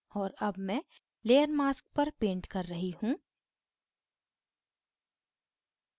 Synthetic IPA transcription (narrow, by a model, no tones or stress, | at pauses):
ɔːɾɐbmɛ̃ | leːəɾmaːsk̚pɐɾpẽːɳʈkɐɾːɐɦiɦũː